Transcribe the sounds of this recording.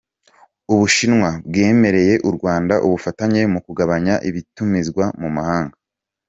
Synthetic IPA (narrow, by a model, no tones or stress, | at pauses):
uβuʃinŋwabɡe̞ːme̞ɾe̞je̞ʔuɾɡwaːndaʔuβufataɲe̞mukuɡaβaɲaʔiβitumizɡwamumahaːŋɡa